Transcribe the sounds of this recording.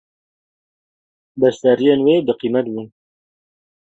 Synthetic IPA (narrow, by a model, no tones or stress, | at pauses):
bɛst̪æɾijeːnweːbɨqiːmɛt̪bun